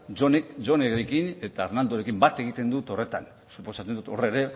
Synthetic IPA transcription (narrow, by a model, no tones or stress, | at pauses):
d͡ʒo̞nekd͡ʒo̞neɣɾekine̞t̪aːɾnald̪oɾe̞kimbat̪e̞ɣ̞it̪e̞nd̪ut̪o̞re̞t̪an | supo̞sat͡sed̪ut̪o̞reɾe̞